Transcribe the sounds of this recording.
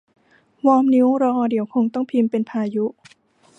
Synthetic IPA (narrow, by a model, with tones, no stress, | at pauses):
wɔː˧mni˦˥wɾɔː˧ʔdi˨˩˦əwkʰo˧ŋt̪ɔ˥˩ŋpʰi˧mpe˧npʰaː˧ju˦˥ʔ